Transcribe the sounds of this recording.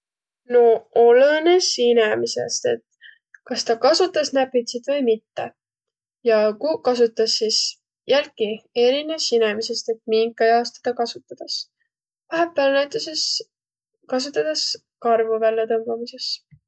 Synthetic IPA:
no̞olene̞sinemise̞̰st̪e̞̰t̪ | kɑst̪ɑkɑsut̪ːˑɑsnæpːit̪sit̪vɤjmit̪ːḛ | jɑkukɑs̬ut̪ːˑɑsːis | jælkie̞ɾinesine̞mise̞st̪e̞t̪̚miŋkːˑɑjɑːst̪ɑ̥t̪ɑkɑsut̪ːˑɑd̪̥ɑs | væɦepːˑælnæjt̪ːˑuses | kɑs̬ut̪ːˑɑd̪̥ɑs | kɑrvuvælʲːɑt̪ɤmbɑmise̞s

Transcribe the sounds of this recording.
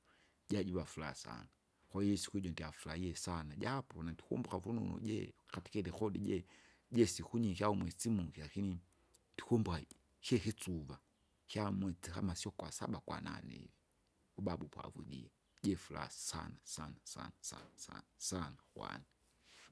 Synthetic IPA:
ɟaɟiβafula̰sa̰na | kɔiisi̥kuiɟɔndiafulaiɛsanaɟapɔnandikṵmbuɣavunṵnɔ̰ɟɛ̰kati̥kɛdɛxɔɗiɟɛ | ɟɛsikuɲihjaumwɛt͡simukilakini | dikumba | hɛhit͡suva | hjamwɛt͡siha̰masiɔkwasa̰ɓakwa̰na̰nɛ̰vi | uɓaɓupwa̰vṵɗḭɛ | ɟɛfula̰ssa̰nasanasa̰nasa̰nasa̰nasanaxwa̰ni

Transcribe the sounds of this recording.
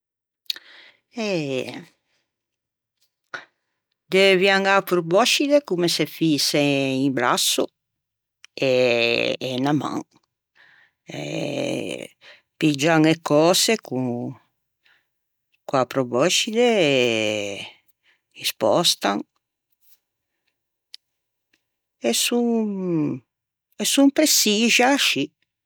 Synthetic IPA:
ɛ | d̪evjaŋapɾubɔʃid̪ekumesefiseimbɾa̰sːu | eː | nama̰ŋ | ḛ | pid͡ʒaŋekːɔːseku | kwapɾobɔt͡ʃid̪e | ispɔ̰st̪aŋ | ɛsuŋ | ɛsumpɾesiʒaʃi

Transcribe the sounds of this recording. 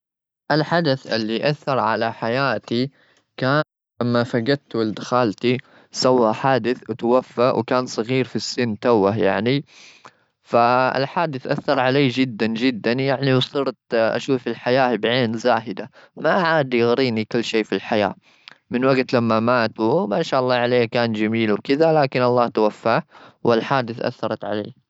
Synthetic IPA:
ʔalħad̪aθʔɪ̰lːiʔaθːɑɾˤʕalaħajaːt̪i | kaːn | lamːafaɡad̪̚t̪wɪld̪xaːlt̪i | sawːaħaːd̪ɪθwt̪awafːawkaːnsˤɑɣiːɾfisːɪnːt̪awːaja̰ʕni | faɪ̰lħaːd̪ɪθʔaθːɑɾˤʕaleːd͡ʒɪd̪ːand͡ʒɪd̪ːanjaʕniwsˤiːɾt̪ʔa̰ʃuːfɪlħajaːhbʕeːnzaːhɪd̪amaʕaːd̪jɪɣɾiːnikʊlːʃeːfilħaja̰ː | mɪnwaɡt̪lamːamaːt̪wmaːʃaːʔɑlˤːɑːʕaleːkaːnd͡ʒamiːlwkɪðalaːkɪnʔɑlˤːɑːht̪awafːaːwɪlħaːd̪ɪθʔa̰θːɑɾˤɑt̪ʕa̰lḛː

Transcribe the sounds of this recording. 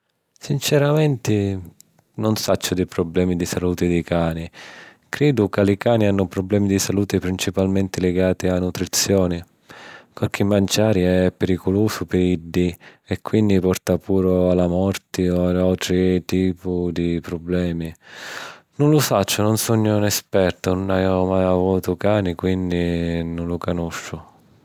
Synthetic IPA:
sint͡ʃɛɾamɛnt̪ɪ | nʊnsat͡ʃːʊd̪ɪpɾɔblɛːmid̪isaluːt̪ɪd̪ikaːni | kɾɛːd̪ʊkalikaːnianːʊpɾɔblɛːmid̪isaluːt̪ɪpɾint͡ʃipalment̪ɪlɪɡaːt̪ɪanːut̪ɾit̪sːjɔːni | pɪɾk̟ʰɪmːant͡ʃaːɾiɛpːɛɾikʊluːsʊpɪɾiɖːiɛkːwind̪ipɔrt̪apʰuːɾʊalamɔrt̪ɪɔaalt̪ɾɪt̪iːpʊd̪ipɾɔblɛːmi | nʊnlʊfat͡ʃːʊnʊnsɔɲːʊnɛspɛrt̪ʊnʊnajmajavuːt̪ʊkaːnikwind̪inʊnlʊkanoʃːʊ

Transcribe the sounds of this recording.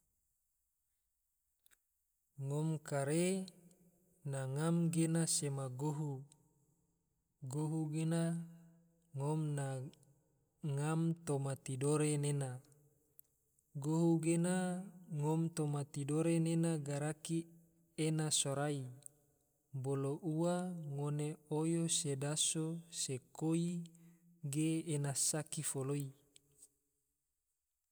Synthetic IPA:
ŋɔmkaɾe | naŋamɡenasemaɡoɦu | ɡoɦuɡena | ŋɔmna | ŋamt̪omat̪idoɾenena | ɡoɦuɡenaŋɔmt̪omat̪idoɾenenaɡaɾaki | enasoɾai | boloʔuwaŋoneojosedasosekoi | ɡeːnasakifoloi

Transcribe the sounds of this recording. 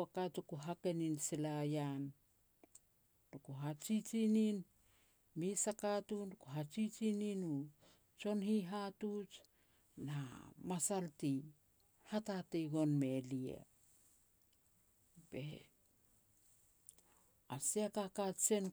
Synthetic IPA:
akatukuɦake̞ninselajan | d̥okuɦat͡ʃit͡ʃinin | misakatundukoɦat͡ʃit͡ʃininu | t͡ʃo̞nhiɦatut͡ʃ | namasalti | hatatejɡo̞nme̞liḛ | b̥ḛ | asiakakat͡ʃe̞n

